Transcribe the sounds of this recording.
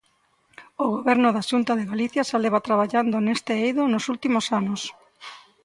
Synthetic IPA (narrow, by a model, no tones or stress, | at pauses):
oɣoβɛɾnʊðaʃunt̪aðeɣaliθjaʃaleβat̪ɾaβ̞aʎand̪onest̪eejðonosult̪imosanʊs